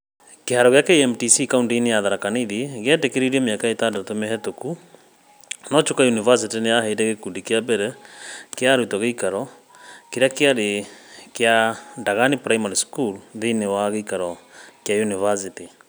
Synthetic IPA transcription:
kehaɾɔɣeakɛɛmtisikaundinejaðaɾakaneðeɣeɛtekeɾiɾiɛmeakaetadatomɛɦɛtoku | nɔt͡ʃokajunivas̬itinejahedɛɣekundikeabɛɾɛkeaɾutɔɣeikaɾɔ | keɾjakeaɾekjadaɣanipɾaimaɾiskulðenewaɣeikaɾɔkjajunivas̬iti

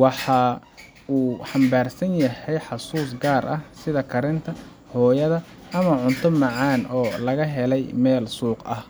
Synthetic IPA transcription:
wɑħɑ | uːħɑmbaːrsɐnjɐhɛjħɑsuːs̬ɡaːɾʔɐhsɪðɐkʰɐɾɪnt̪ʰɐ | hɔːjɐðɐ | ʔɐmɐʕʊnt̪ʰʊmɑʕɑːnɔːlɐɣɐɦɛlɛjmɛːlsuːqɐ̰h

